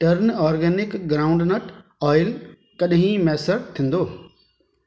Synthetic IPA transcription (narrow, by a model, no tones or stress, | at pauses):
ʈɐɾnɔːɾɡeːnɪkɡɾaːʊ̃ɳɖnəʈɔːɪl | kɐɗɦĩmɛːsəɾt̪ʰɪ̃nd̪oː